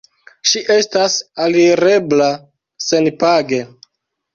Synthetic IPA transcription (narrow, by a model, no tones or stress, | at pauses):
ʃiʔe̞stasaliɾe̞bla | se̞npaɡe̞